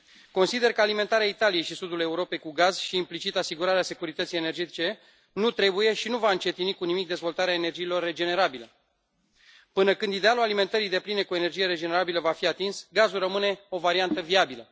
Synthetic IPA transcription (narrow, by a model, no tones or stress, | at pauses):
ko̞nsid̪e̞rkəalime̞nt̪aɾeait̪alije̞jʃisud̪ule̞uɾo̞pe̞jkuɡaz̥ʃiːmplit͡ʃit̪asiɡuɾaɾease̞kuɾit̪ət̪sije̞ne̞rd͡ʒe̞t̪it͡ʃe̞ | nut̪ɾe̞buje̞ʃinuvaɨnt͡ʃe̞t̪inikunimik̚d̪e̞zvo̞lt̪aɾeaene̞rd͡ʒiːlo̞rːe̞d͡ʒe̞ne̞ɾabilə | pɨnəkɨnd̪id̪e̞alulalime̞nt̪əɾijd̪e̞pline̞kue̞ne̞rd͡ʒije̞ɾe̞d͡ʒe̞ne̞ɾabiləvafiat̪insɡazulrəmɨne̞o̞vaɾiant̪əviabilə